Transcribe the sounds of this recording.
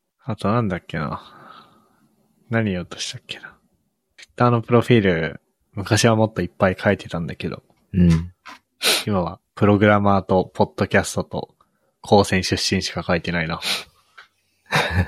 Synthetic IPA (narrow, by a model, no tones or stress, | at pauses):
at̪o̞nãnd̪akːe̞na̰ | naɲ̟ijot̪ːoɕi̥t̪akːe̞̥nḁ | i̥t̪ːaːno̞pɯ̟ɾo̞ɸʲiːɾɯ̟ | mɯ̟kaɕiβamo̞t̪ːo̞ipːaikʰaet̪e̞̥t̪ãnd̪ake̞d̪o̞̰ | imaβapɯ̟ɾo̞ɡɯ̟ɾamaːt̪o̞pʰo̞d̪̥ːo̞kʲasɨ̥t̪o̞t̪o̞̰ | kʰo̞ːsẽ̞ɕɨɕːĩɰ̃ɕi̥kakait̪e̞naina